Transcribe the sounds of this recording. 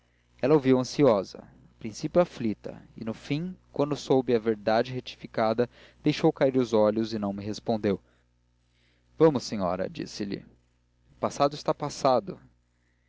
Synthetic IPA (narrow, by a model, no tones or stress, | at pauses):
ɛlɐowviwɐ̃siɔzɐ̰ | pɾĩsipjʊaflit̪ɐ̰ɪ̰nʊfĩŋkwɐ̃nd̪ʊsowbɪɐveɾd̪ad͡ʒɪɦet͡ʃi̥fikad̪ɐ | d̪̥ejʃowkaiɾʊzɔʎʊzɪnɐ̃w̃mɪɦespõnd̪ew | vɐ̃mʊsẽɲɔ̰ɾɐ̰d͡ʒḭsɪlɪ̰ | ʊpasad̪ʊist̪apasad̪ʊ